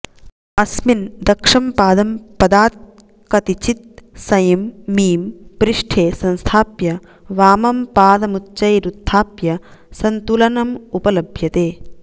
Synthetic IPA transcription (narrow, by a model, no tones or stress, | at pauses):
ɐsmind̪ɐkʂɐmpaːd̪ɐmpɐd̪aːt̪̚ | kɐt̪it͡ʃit̪̚sɐjɐmːiːmpɾɪʂʈʰeːsɐ̃nst̪ʰaːpjɐ | ʋaːmɐmpaːd̪ɐmutːt͡ʃɐjɾud̪ʱʰːaːpjɐsɐnt̪ulɐnɐmupɐlɐbʱjɐt̪eː